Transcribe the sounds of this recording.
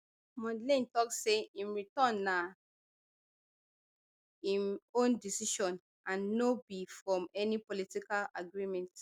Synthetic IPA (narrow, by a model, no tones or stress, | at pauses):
mɔ̃dlĩntɔksːeĩnɹitɔ̃nːa | ĩnõndisiʃɔ̃n | ãnːobifɹɔ̃mɛnipolitikala̰ɡɹimɛ̃nt